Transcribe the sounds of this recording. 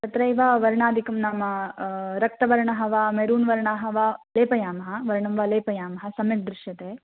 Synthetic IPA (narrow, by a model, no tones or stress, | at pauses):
t̪ɐt̪ɾɐiʋaʋɐɾɳaːd̪ʱikɐmnɐmɐɾɐk̚t̪ɐʋɐɾɳɐɦɐʋaːmeɾuːnʋɐɾɳaːɦɐʋaːleːpɐjaːmɐɦɐʋɐɾɳɐmʋaleːpɐjaːmɐɦɐsɐmjɐʈ̚d̪ɾɪʃjɐt̪eː